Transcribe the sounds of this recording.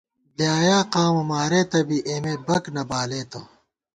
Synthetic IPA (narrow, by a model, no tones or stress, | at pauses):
ljaːjaːqaːmɐmaːɾeːt̪ɐbiʔeːmebɐknɐbaːleːt̪o